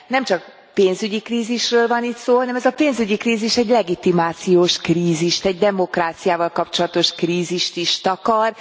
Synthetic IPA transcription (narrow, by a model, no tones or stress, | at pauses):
nɛmt͡ʃɒk̚ | peːnzyɟikriːziʃrøːlvɒniːt̪soːɦɒnɛmɛzɒpeːnzyɟikriːziʃɛɟlɛɡit̪imaːt̪sijoːʃkriːziʃt̪ɛɟd̪ɛmo̞kraːt̪sijaːvɒlkɒpt͡ʃo̞lɒt̪o̞ʃkriːziʃt̪iʃt̪ɒkɒr